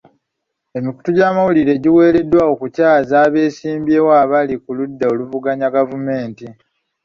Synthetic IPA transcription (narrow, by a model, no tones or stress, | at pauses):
e̞miku̥tuɟaːmawuliɾe̞ɟiwe̞ːle̞dːwao̞kucaːzaːβe̞ːsiːmbjeːwaːβalikuludːao̞luvuɡaɲaɡavume̞ːnti